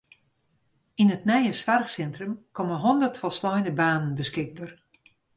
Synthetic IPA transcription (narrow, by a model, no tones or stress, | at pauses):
inətnɛjəsʋarxsɛntrəmkʰɔməɦɔndərtfɔlˠslɔjnəbaːnənbəskɪɡ̚bər